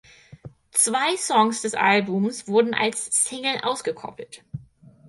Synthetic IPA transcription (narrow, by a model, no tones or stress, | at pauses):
t͡sv̥aɪsɔŋsd̥ɛsʔa̰lbʊmsv̥ʊɐdn̩ʔa̰lsːɪŋl̩ʔaʊsɡ̥əkʰɔ̰pl̩t